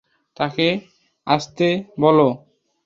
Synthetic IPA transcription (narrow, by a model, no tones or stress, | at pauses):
t̪ake | aʃt̪ebɔlo